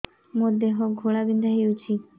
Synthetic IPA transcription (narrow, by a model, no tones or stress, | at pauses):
mod̪eɦɔɡʱoɭabind̪ʱaɦewt͡ʃʰi